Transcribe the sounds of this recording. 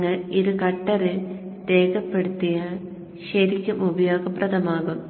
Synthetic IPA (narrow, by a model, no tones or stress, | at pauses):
ŋːɐɭiɾukɐʈːɐrɨt̪e̞ːɡɐpːe̞ɽut̪ːijɐ | ɕɐɾikʲːumubɐjoːɡɐprɐt̪ɐmaːɣum